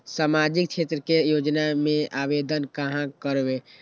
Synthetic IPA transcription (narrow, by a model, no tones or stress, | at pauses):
samad͡ʒik̚t͡ʃʰet̪ɾəkejod͡ʒnamẽʔabed̪ənkəɦãkəɾbe